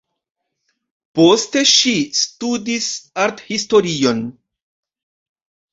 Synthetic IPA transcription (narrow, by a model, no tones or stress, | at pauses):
poste̞ʃistudisaɾthisto̞ɾio̞n